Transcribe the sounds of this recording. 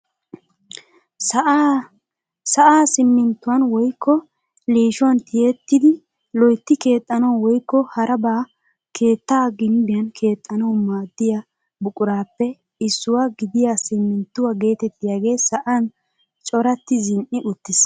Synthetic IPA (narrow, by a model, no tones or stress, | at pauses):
s | sɐʔaːsɪmːɪnt̪ːʊwɐnwɔjkʰːɔ | liːʃʊwɐnt̪ʰɪjɛt̪ːɪd̪ɪ | lɔjt̪ːɪke̞ːt̪ʼːɐnɐwwɔjkːɔhɐɾʔɐbaː | kʰe̞ːt̪ːaːɡɪmbɪjɐnkʰe̞ːt̪ʼːɐnɐwmaːd̪ːɪja | bʊkʼʊɾaːpːɛ | ɪsːʊwaɡɪd̪ɪjasɪmːɪnt̪ːʊwaɡe̞ːt̪ɛt̪ːɪjaːɡe̞ːsɐʔan | t͡ʃʼɔɾɐt̪ːɪzɪnʔɪʔʊt̪ːɪs